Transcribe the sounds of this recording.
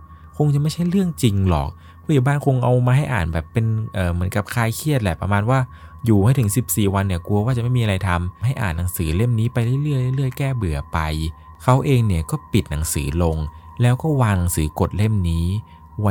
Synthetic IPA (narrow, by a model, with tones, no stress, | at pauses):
kʰo˧ŋt͡ɕa˨˩ma˥˩jt͡ɕʰa˥˩jɾɯ˥˩əŋt͡ɕi˧ŋlɔ̰ː˨˩k̚ | kʰuː˥˩jaː˨˩wbaː˥˩˨nkʰo˧ŋʔa˧wmaː˧ɦa˥˩jʔa̰ː˨˩nbɛː˨˩pːe˧nʔɤː˨˩mɯ˩˦ənka˨˩p̚kʰaː˧˩jkʰi˥˩ət̪̚lɛ̰˨˩pɾa̰˧maː˧nwaː˥˩juː˨˩ma˥˩t̪ʰɯ˩˦ŋsi˨˩p̚siː˨˩wa˧nːi˧˩ɐku˧ɐwaː˥˩t͡ɕa˨˩ma˥˩jmiː˧ɾa˧jt̪ʰa˧mɦa˥˩jʔa̰ː˨˩nːa˩˦ŋsɯː˩˦le˥˩mniː˦˥pa˧jlɯ˥˩˨jlɯ˥˩əjla˥˩˨lɯ˥˩əjkɛː˥˩bɯ˨˩ɐpa˧j | kʰa˦˥wʔeː˧ŋni˥˩əkɔː˥˩pi˨˩t̪̚na˩˦ŋsɯ̰ː˩˦lo˧ŋlɛː˦˥wkɔː˥˩waː˧ŋna˨˦ŋsɯː˩˦ko˨˩t̪̚le˥˩mniː˦˥ | w